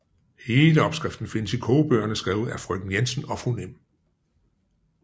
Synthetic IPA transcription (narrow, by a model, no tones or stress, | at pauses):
he̝ːləɒ̽b̥sɡ̥ʁɛfd̥n̩fe̝nəsikʰoːb̥øːɐnəsɡ̥ʁɛ̰ːʊð̩ˠæfʁœ̰ɡ̥n̩jensənɒ̽fʁunem̰